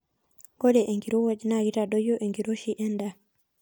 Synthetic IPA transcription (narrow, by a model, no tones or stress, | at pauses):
ɡɔɗɛʔɛŋɡiɾɔwad͡ʒnaɡitadɔjɔʔeŋɡiɾoʃiʔɛnda